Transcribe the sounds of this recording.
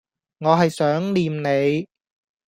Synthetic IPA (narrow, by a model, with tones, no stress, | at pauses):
ŋɔː˨˧ɦɐ˨jsœː˨˥ŋliː˨mne˨˧j